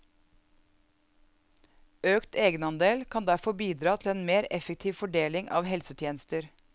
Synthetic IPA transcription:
øːkt̪eːɡənɑnd̪eːlkʰɑnd̪æfɔbiːd̪ɾɑːt̪ʰl̩eːnmeːɾɛfək̚t̪ʰiːʋfɔɖeːlɪŋʔɑ̰ːʋhɛlsət̪ʰjeːnəst̪əɾ

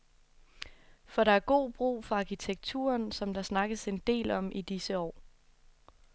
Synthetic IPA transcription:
fɒ̽ɾɑ̈æɐɡ̥o̝̰ːb̥ʁṵːfɒɑ̈kʰit͡sʰeɡ̥̚t͡sʰṵːɐnsɒ̽md̥ɑ̈snɑ̈ɡ̥əse̝nd̥e̝̰ːlɒ̽mʔid̥isəɒ̰ː

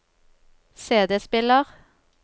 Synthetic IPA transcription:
seːd̪əspɪləʁ

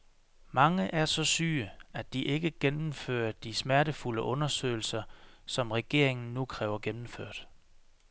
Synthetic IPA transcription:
mɑ̈ŋəʔæɐsɒ̽syːəæd̥iʔe̝ɡ̥əɡ̥enm̩fø̰ːɐd̥ismæɐɾəfuləʔɔ̽nɐsø̰ːɪl̩sɐsɒ̽mʁɛɡ̥e̝̰ɐ̰e̝ŋn̩nːukʰʁɛːʊɐɡ̥enm̩føɐ̰d̥

